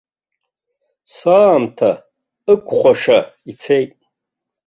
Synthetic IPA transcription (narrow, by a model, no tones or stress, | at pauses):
saːmtʰa | ɨkʷʰʼχʷaʂait͡sʰejtʼ